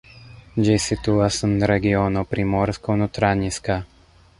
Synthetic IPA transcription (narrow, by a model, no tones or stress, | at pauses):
d͡ʒesit̪uasənɾɛɡiɔnɔpɾimɔɾskɔnut̪ɾaɲiska